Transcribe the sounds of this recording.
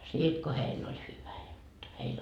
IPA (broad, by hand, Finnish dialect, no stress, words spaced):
siːt ko heilː olʲ hyʋæ jot heil